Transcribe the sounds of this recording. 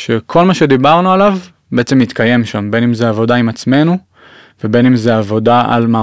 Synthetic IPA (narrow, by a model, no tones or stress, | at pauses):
ʃekʰo̞lmaʃe̞d̪ibaʁnualav | beet͡se̞mit̪kaje̞mʃambe̞nimzeavo̞daimat͡sme̞nu | vebe̞nimzeavo̞daʔa̰lmaː